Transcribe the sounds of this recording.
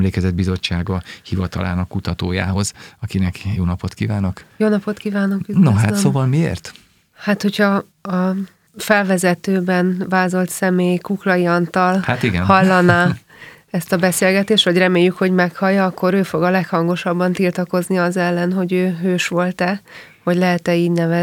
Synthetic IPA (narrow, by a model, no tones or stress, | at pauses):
mleːkɛzɛd̪bizo̞t͡ʃːaːɡɒhivɒt̪ɒ̰lʔa̰ːnɒkːut̪ɒt̪o̰ːja̰ːɦo̞zɒkinɛkjoːnɒpo̞t̪kiːvaːnɒkjoːnɒpo̞t̪kivaːnokynoɦat̪ssoːvɒlmiḛːrt̪ | hat̪ho̞cʰhɒ | ɒ | fɛlvɛzɛt̪øːbɛnvaːzo̞lt̪sɛmeːjkuklɒjiɒnt̪ɒlhat̪iɡɛ̰nhɒlːɒnaː | ɛst̪ɒbɛseːlɡɛt̪eːʃt̪ʋɒɟrɛmeːjːykho̞ɟmɛkhɒjːɒɒkːo̞ɾøːfo̞ɡɒlɛkhɒŋɡo̞ʃɒbːɒnt̪ilt̪ɒko̞zniɒzɛlːɛnɦo̞ɟøːɦøːʃʋo̞lt̪ɛ | ho̞ɟlɛɦɛt̪ɛiːɟnɛvɛ